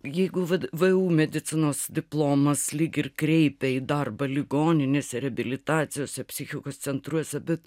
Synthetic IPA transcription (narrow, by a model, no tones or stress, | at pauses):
jɛɪɡʊʋɐʋəuːmʲɛd̪ʲɪt͡s̪ʲɪnoːsd̪ʲɪplˠoːmɐslʲiːkʲɪrkɾʲɛɪpʲɛid̪ɐrbɐlʲɪɡoːnʲɪnʲeːsʲɛɾʲɛɐbʲɪlʲɪt̪ɑːt̪sʲɪjoːsʲɛpʲsʲɪxʲɪkoːst̪t͡ssʲɛnt̪ɾuɔsʲɛbʲɛt̪